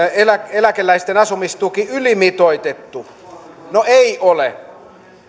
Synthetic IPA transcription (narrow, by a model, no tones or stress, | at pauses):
elækelækelːæist̪enɑsumist̪ukiylimit̪oit̪et̪ːu | noeiole